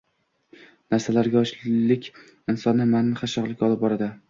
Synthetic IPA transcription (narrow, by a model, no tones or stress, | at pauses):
naɾsalaɾɡʲaɒʃlɪkʲ | ɪnsɒnːɪmannɪχaʃɒʁlˠɪkʲɒlˠɪp̚bɒɾad̪ɪ